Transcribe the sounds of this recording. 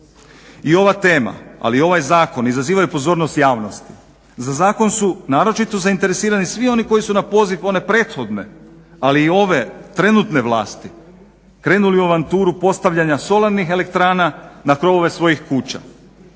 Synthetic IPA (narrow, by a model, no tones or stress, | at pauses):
io̞ʋat̪e̞ːma̰a̰lio̞ʋajzaːko̞nizaziːʋajupo̞zo̞ːɾno̞st̪jaːʋno̞st̪i̥ | zazaːko̞nsunaːɾo̞t͡ʃit̪o̞zaint̪e̞ɾe̞siːɾanisʋio̞niko̞jisunapo̞ziʋo̞ne̞pɾe̞ːt̪xo̞d̪ne̞̰ | aliːo̞ʋe̞t̪ɾe̞nut̪ne̞ʋlˠaːst̪i | kɾe̞ːnuliuaʋant̪uːɾupo̞st̪aʋʎaɲaso̞laɾnixe̞le̞k̚t̪ɾaːnanakɾo̞ʋo̞ʋe̞sʋo̞jixkuːt͡ɕa̰